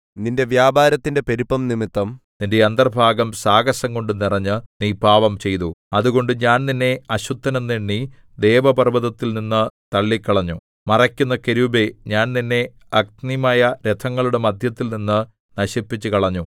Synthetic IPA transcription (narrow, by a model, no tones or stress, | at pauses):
ninde̞ʋjaːbaːɾɐt̪ːinde̞pe̞ɾupːɐmnimit̪ːɐmnindeɐnd̪ɐrbʱaːɡɐmsaːɡɐsɐŋko̞ɳɖɨnirɐɲːɨniːbʱaːʋɐmt͡ɕe̞jt̪uɐðuɣo̞ɳɖɨɲaːnninːe̞ɐɕut̪ːɐnɐmniɳːi | d̪e̞ːʋɐpɐrbɐðɐt̪ːilninːɨt̪ɐɭːikːɐɭɐɲːu | mɐrɐkʲːunːɐkeɾubeɲaːnninːe̞ | ɐk̚t̪nimaːjɐɾet̪ʰɐŋːɐɭuɽe̞mɐd̪ʱjɐt̪ːilninːɨ | nɐɕipːit͡ɕːɨkɐɭɐɲːu